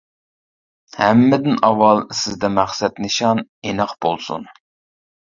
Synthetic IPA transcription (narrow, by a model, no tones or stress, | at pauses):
hæmːɪd̪ɪnɑwːɑlˠsɪzd̪ɛmæχsɛt̪nɪʃɑnenɑχbolˠsṵn